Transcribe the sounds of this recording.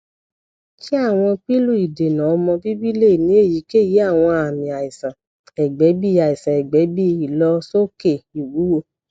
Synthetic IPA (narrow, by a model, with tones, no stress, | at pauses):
ki˦a˦˨w̃ɔ̃˧k͡pi˦lu˦˨i˨de˨nã˨ɔ˧mɔ̃˧bi˦bi˦le˦˨nĩ˨˦e˦˨ji˨˦ke˦˨ji˨˦a˦˨w̃ɔ̃˧a˨mĩ˨a˨i˨sã˨ | ɛ˨ɡ͡bɛ˨˦bi˦˨a˨i˨sã˨ɛ˨ɡ͡bɛ˨˦bi˦i˦˨lɔ˧˦so˦ke˦˨i˨wu˨˦wo˦˨